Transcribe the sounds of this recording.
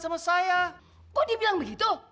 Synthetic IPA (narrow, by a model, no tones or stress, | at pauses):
samasaja | kodibilaŋbəɡit̪u